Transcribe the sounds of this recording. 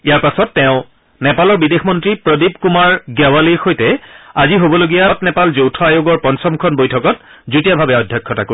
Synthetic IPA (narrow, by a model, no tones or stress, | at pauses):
ijaɹpasɔtːɛʊ̃ | nɛpalɔɹbidexmɔntɹipɹɔdipkumaɹɡɛwaliɹxojtɛaziɦobɔloɡijatnɛpalzowtʰɔajoɡɔɹpɔnsɔmkʰɔnbojtʰɔkɔt̚ | zutijabʱabɛɔdʱːjɔkʰːɔtako